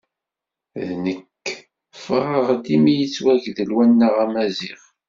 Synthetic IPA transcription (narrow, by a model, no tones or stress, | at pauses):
ðnəkː | fʁəʁd̪imijət͡sːwæʝðəlwænːəʁæmæzḭʁ